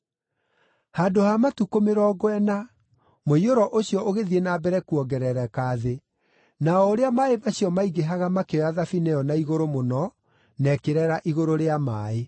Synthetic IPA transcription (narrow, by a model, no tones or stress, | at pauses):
hadohamatukomeɾɔɡwɛna | moioɾɔʔoɕjɔʔoɣeðienabɛɾɛkuɔɡɛɾɛɾɛkaːðe | naɔoɾeamaemaɕiɔmaiɡeɦaɣamakeɔjaðafinejɔnaiɣoɾomonɔ | nɛkeɾɛɾaʔiɣoɾoɾeamaːe